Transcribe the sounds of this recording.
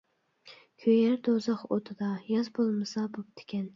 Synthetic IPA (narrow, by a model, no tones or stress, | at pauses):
kʲʰøjæɾd̪ozɑχot̪ʰɨd̪ɑjɑzbolˠmɨsɑbop̚t̪ʰɪ̥kʲɛn